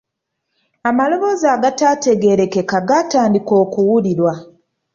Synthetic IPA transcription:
amalo̞βo̞zaːɡataːte̞ɡe̞ɾe̞ke̞kaɡataːndiko̞ːkuwuliɾwa

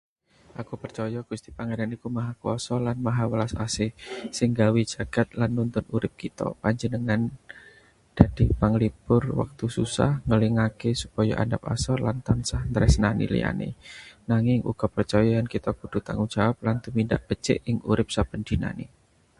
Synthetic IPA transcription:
ʔakupərt͡ʃɔjɔɡ̥ust̪ipaŋadanikumaɦakuɔsɔlanmaɦawəlasasɪhsɪŋɡawi̥d͡ʒ̥a̤ɡ̥a̤t̪̚lanːunt̪ʊnuɾɪp̚kit̪ɔ̰paɲd͡ʒənəŋan | d̥ad̥ipaŋlipʊrwa̰k̚t̪ususa̰hŋəliŋakesupɔja̰ʔa̰ndap̚asɔrlant̪ansahnt̪ɾɛsnanḭlḭja̰nḛnaŋɪŋʔṵɡ̥ɔ̤pərt͡ʃɔjɔankit̪ɔkud̥ṳt̪a̰ŋuŋd͡ʒawap̚lant̪umindaʔb̥ət͡ʃɪ̰ʔɪŋṵɾɪp̚sab̥əndina̰nḭ

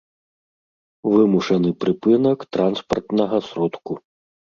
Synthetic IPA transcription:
vɨmuʂɛnɨpɾɨpɨnɐkt̪ɾanspɐrt̪nɐɣɐsɾɔt̪ku

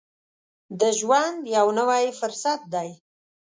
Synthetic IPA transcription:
d̪əʒwand̪jawnəwajifʊɾsat̪̚d̪aj

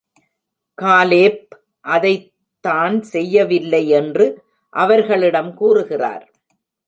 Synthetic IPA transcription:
kaːleːp̚ | ʔɐðɐɪ | t̪ːaːnsɛjːɐʋɪlːɐɪɛndrɯ | ʔɐʋɐɾɣɐɭɪɽɐmkuːrɯɣɪra̰ːɾ

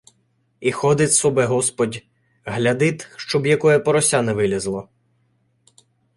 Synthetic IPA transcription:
ixɔd̪ɪt̪ʲsɔbɛɦɔspɔdʲ | ɦlʲɐd̪ɪt̪ʃt͡ʃɔbjɐkɔjɛpɔɾɔsʲanɛʋɪlʲɐzlˠɔ

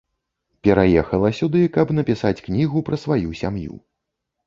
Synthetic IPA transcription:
pʲɛɾajɛxɐlˠɐsʲud̪ɨkɐbnɐpʲisat͡sʲknʲiɣupɾɐsvajusʲa̰mjṵ

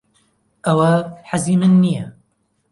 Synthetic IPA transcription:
ʔɐwɐħazimɨnːijɛ

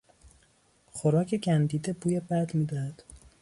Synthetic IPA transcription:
χoɾɒːcʰeɟænd̪iːd̪ebuːjebæd̪miːd̪æhæd̪̥

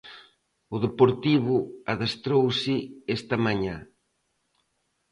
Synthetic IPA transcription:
ʊðepoɾt̪iβʊaðast̪ɾowsɪɛst̪ɐmaɲa

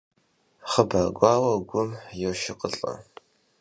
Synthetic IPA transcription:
χəbaːɡʷaːwɐɡʷʊmjɛwʃɪqʼəɬʼɐ̰

